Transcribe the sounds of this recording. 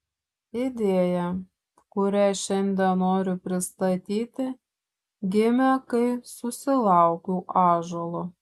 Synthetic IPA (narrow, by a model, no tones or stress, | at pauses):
ɪd̪ʲeːjɛ | kʊɾʲæːʃʲɛnʲd̪ʲɛnoːɾʲʊpʲɾʲɪst̪ɐt̪ʲiːt̪ʲɪ | ɡʲɪmʲɛkɐɪsʊsʲɪlˠɑˑʊkʲuːʔɑːʒolˠo